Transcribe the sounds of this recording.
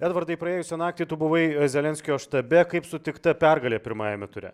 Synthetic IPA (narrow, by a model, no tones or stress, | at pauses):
æːd̪ʋɐɾd̪ɐɪpɾɐeːjʊsʲɛnɑːk̚t̪ʲiːt̪ʊbʊʋɐɪzʲɛlʲɛnʲsʲkʲɪjoːʃt̪ɐbʲɛkɐɪpsʊt̪ʲɪkt̪ɐpʲɛɾɡɐlʲeːpʲɪɾmɑːjɛmʲɛt̪ʊɾʲɛ̰